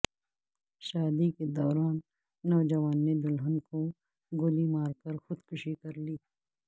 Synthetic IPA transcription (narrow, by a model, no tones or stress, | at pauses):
ʃaːd̪iked̪ɔːɾaːnː | ɔːd͡ʒɐwaːnːed̪ʊlɦənko | ɡʊlimaːɾkɐɾxʊd̪kʰʊʃikɐɾliː